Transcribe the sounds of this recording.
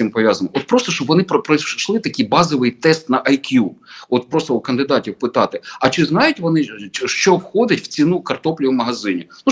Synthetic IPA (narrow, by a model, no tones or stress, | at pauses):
impɔʋʲjazɐnɔʔɔt̪̚pɾɔst̪ɔʃɔbʋɔnɪpɔpɾɔʃlˠɪt̪ɐkʲijbɑzɔʋɪjt̪ɛst̪nɐʔɐjkjuɔt̪̚pɾɔst̪ɔukɐnd̪ɪd̪ɑtʲiwpɪt̪ɑt̪ɪɐt͡ʃɪznɑjʊtʲʋɔnɪʃt͡ʃɔwxɔd̪ɪtʲw̥t͡sʲinukɐrt̪ɔplʲiʊmɐɦɐzɪnʲiu